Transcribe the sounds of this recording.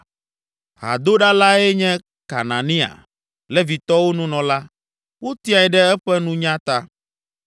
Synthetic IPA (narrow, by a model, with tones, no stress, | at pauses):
ɦa̰˨d̪o˦ɖa˦la˦ɛ˦ɲɛ̃˦ | ka̰˨nã˨nĩ˦a̰˨ | lɛ˦vi˨t̪ɔ˦wo˦nũ˦nɔ̃˨la˦ | wo˦t̪i˦a˨ɛ˨ɖɛ˦ɛ˦ɸɛ˦nũ˦ɲã˦t̪a˦